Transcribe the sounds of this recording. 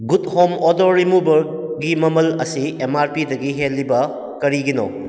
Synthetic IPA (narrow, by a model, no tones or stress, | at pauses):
ɡuthomɔdoɾːimubɐɾ̚ɡimɐmɐlɐsiemaɾpidɐɡiɦelːibɐ | kɐɾiɡino̰